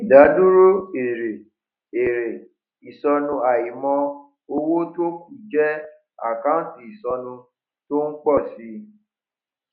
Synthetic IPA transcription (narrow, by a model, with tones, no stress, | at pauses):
i˨da˨˦du˦ɾo˦e˨ɾe˨ | e˨ɾe˨ | i˨sɔ˧nũ˧a˨ji˨mɔ̃˧ | o˧wo˦to˦ku˨d͡ʒɛ˦ | a̰˦˨ka˦˨ti˨i˨sɔ˧nũ˧ | to˦n̩˦k͡pɔ˦˨si˧˦